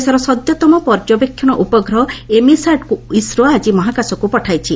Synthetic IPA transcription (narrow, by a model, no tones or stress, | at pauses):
saɾɔsɔd̪jɔt̪ɔmɔpɔɾd͡ʒɔbekʰːjɔñɔʔupɔɡɾɔɦɔemisaɖkuisɾoad͡ʒimɔɦakasɔkupɔʈʰajt͡ʃʰi